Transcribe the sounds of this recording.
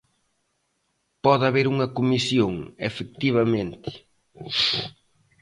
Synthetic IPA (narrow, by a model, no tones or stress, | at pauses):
pɔðaβeɾuŋɐkomisjoŋefek̚t̪iβ̞ɐmẽnt̪ɪ̥